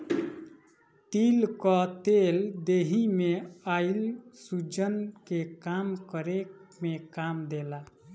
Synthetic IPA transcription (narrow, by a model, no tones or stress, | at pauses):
t̪ilkɔt̪eld̪eɦimeailsud͡ʒənkekamkəɾekmekamd̪ela